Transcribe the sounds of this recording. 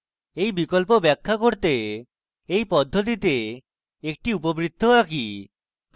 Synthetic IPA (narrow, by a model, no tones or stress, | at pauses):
ejbikolpobɛkʰːakoɾt̪e | ejpɔd̪ʱːot̪̬it̪e | ek̚ʈiupobɾid̪ʱːoaki